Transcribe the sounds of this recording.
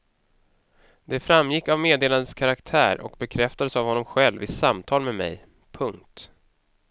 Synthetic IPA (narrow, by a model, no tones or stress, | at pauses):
d̪̥ɛfɾamːjɪkːavmeːd̪eːland̪əskʰaɾakt̪ʰæ̰ːɾɔ̰kbɛkʰɾɛft̪ad̪əsavhɔnːɔmɧɛlvɪsamt̪ʰɑːlmɛmɛ̰j | pʰɵŋk̚t̪